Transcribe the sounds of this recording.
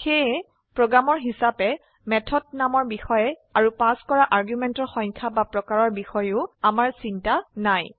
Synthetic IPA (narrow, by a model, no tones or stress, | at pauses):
xe | pɹoɡɹamɔɹɦisapɛ | mɛtʰɔd̚namɔɹbixɔjɛaɹupaskɔɹaʔaɹɡjumɛntɔɹxɔjɲkʰabapɹɔkaɹɔɹbixɔjʊamaɹsintanaj